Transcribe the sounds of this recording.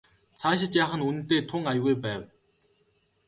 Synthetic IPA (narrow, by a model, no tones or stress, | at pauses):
t͡sʰaːɕ̬ɪ̆t͡ɕjaːχə̆nun̆nt̪eːt̪ʰʊŋajɣujpæːw